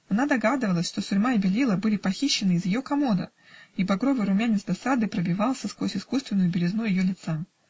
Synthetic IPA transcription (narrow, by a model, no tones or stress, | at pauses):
ɐnad̪ɐɡad̪ɨvəlˠəsʲʂt̪o̞sʲʊɾʲmaɪbʲɪlʲilˠəbɨlʲɪpɐxʲiɕːɪnɨɪzjɪjo̞kɐmo̞d̪ə̰ | ibɐɡɾo̞vɨjɾʊmʲanʲɪt̪sd̪ɐsad̪ɨpɾəbʲɪvalˠsʲəskosʲɪskust̪vʲɪnʊjʊbʲɪlʲɪznujɪjo̞lʲɪt̪sa